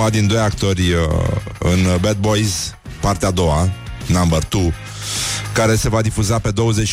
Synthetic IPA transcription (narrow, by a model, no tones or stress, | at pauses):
ad̪ind̪o̞jakt̪o̞rʲəɨnbet̪̚bo̞jz | part̪ead̪o̞wanambərt̪u | kaɾe̞se̞vad̪ifuzape̞d̪o̞wəze̞t͡ʃ